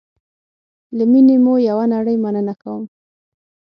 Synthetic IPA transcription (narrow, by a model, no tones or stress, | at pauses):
ləminemojawanaɽəjmanənakawəm